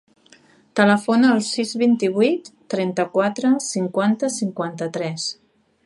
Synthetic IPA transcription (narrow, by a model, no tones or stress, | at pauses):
t̪ələfonəːlˠsizβint̪iβit̪ːɾɛnt̪əkwat̪ɾəsiŋkwant̪əsiŋkwant̪ət̪ɾɛs